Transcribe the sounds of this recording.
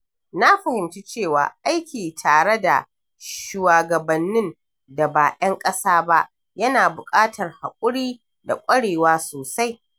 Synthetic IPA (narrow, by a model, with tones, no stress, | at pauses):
na˦ɸɐ˨hɪ˨mt͡ʃu˦t͡ʃeː˦˨wa̰ː˨ʔa˦jkʲiː˨tʰaː˨ɽe˦da̰˨ | ʃu˨waː˨ɡɐ˨bɐ˨nːɪ˦n | da˨baː˨ʔɐ˦ŋkʼɐ˦saː˦ba˦ʔ | jɐ˦naː˨bʊ˨kʼaː˦tʰɐ˨rha˨kʷʼʊ˦ɽiː˦ | da̰˨kʷʼɐ˦ɽeː˨waː˦soː˨sa˦j